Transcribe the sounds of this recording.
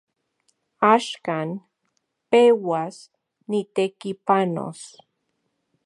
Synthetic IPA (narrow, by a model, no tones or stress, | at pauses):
aʃkan | pewas | nit̪ekipano̰s